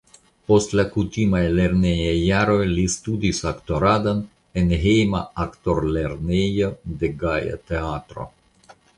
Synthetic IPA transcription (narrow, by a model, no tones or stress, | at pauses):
po̞stlakutimajle̞ɾnejajːaɾo̞jlistudisakto̞ɾadon | enɦejmaakto̞ɾle̞ɾnejo̞de̞ɡaja̰te̞atɾo̞̰